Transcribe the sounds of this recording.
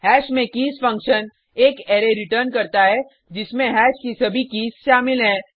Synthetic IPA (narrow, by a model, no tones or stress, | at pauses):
hɛːʃmẽkiːsfɐ̃ŋkʃən | eːkeːɾeɾɪʈəɾnkɐɾt̪aɦɛ | d͡ʒɪsmẽɦɛːʃkisɐbʱikiːsʃaːmɪlɦɛ̃ː